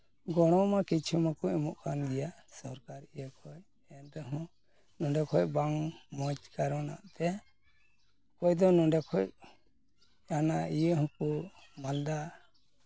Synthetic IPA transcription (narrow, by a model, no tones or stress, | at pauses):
ɡɔɽ̃ɔmakit͡ʃʰumakɔʔɛmɔʔkʰanɡɛjasɔɾkaɾijəkʰɔj | ɛnɾɛɦɔ̃ | nũɖɛkʰɔjbaŋmɔ̃d͡ʒkaɾɔna̰ʔt̪ɛ | kɔjd̪ɔnũɖɛkʰɔc | anaijəhɔ̃kumald̪a